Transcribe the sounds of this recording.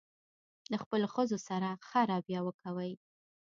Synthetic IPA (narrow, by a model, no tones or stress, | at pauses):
ləxpəloxəzosaɾaxaɾɑbjɑwəkawəj